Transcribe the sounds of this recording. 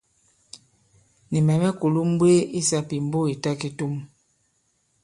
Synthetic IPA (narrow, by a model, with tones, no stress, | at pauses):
ni˨mɛ˨mɛ˦ku˨lu˦m̩˦bwe˦i˦sa˦pi˨m˦bo˦i˨ta˦ki˦tu˦m